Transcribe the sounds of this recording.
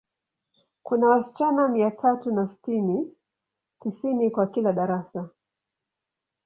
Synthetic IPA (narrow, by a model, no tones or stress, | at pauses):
kunawasi̥t͡ʃanamiatʰatunasi̥tini | tisinikwakilaɗaɾasa